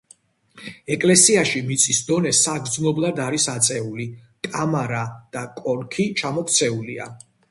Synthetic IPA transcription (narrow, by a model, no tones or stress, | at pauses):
ɛkʼlɛsiaʃimit̪sʼʰisd̪ɔnɛsaɡɾd̪znɔblˠad̪aɾisat̪sʼɛuli | kʼamaɾad̪̥akʼɔɾkʰit͡ʃʰamɔpʰt̪sʰɛulia̰